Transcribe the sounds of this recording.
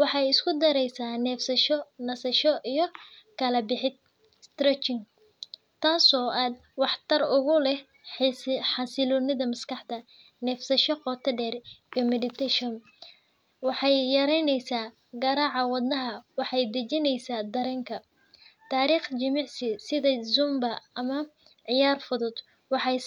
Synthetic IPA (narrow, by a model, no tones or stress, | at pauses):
wɑħɑjɪskʰʊd̪ɐɾɛjsaːnɛːfsɐʃɔnɐsɐʃɔʔijɞkʰɐlɐbɪħɪd̪̚ | st̪ɾɛt͡ʃɪŋ | t̪ʰaːsɔːʔaːd̪̚ | wɑħt̪ʰɐrʊɣʊlɛ | ħɑsɪlɔnɪðɐmɐskʰɑħd̪ɐ | nɛːfsɐʃɔqɔːt̪ʰɐɖɛːriɔmɛdɪt̪ʰɛʃɔn | wɑħɑjjɐɾɛjnɛjsaː | ɡɐɾaːʕɑwɑd̪nɐɦɐwɑħɑjd̪ɐt͡ʃɪnɛjsaːd̪ɐɾɛːŋkʰɐ | t̪ʰaːɾiːχt͡ʃɪmɪʕsɪsɪðɐzʊmbɐɐmɐ | ʕɪjaːrfʊðʊd̪ | wɑħɑj